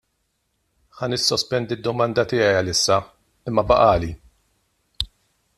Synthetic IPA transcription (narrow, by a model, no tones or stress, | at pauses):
ħɐnɪsːɔspɛnd̪id̪ːɔmɐnd̪ɐt̪ɪːjɛjɐlɪsːɐ | ɪmːɐbɐʔɐːli